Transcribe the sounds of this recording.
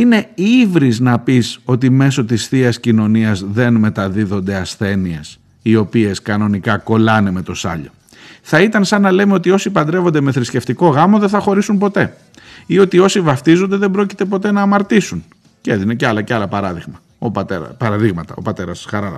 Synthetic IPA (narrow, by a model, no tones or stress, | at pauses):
ine̞ivɾiznɐpiso̞t̪̬ime̞so̞t̪isθiɐscino̞niɐzðe̞nme̞t̪ɐðiðo̞nd̪e̞ɐsθe̞nies | io̞pie̞skɐno̞nikɐko̞lɐneme̞t̪o̞sɐ̰ʎo̞̰ | θɐit̪ɐnsɐnɐle̞meo̞t̪io̞sipɐnd̪ɾevond̪e̞me̞θɾisce̞ft̪iko̞ɣɐmo̞ðenθɐxo̞ɾisunpo̞t̪e̞ | io̞t̪io̞sivɐft̪izond̪eðe̞bɾo̞ci̥t̪e̞p̬o̞t̪e̞nɐːmɐɾt̪isun | ceðineceɐlɐceɐlɐpɐɾɐðiɣmɐ | opɐt̪eɾɐ̰pɐɾɐðiɣmɐt̪ɐo̞̰pɐt̪e̞ɾɐsxɐɾɐlɐ̰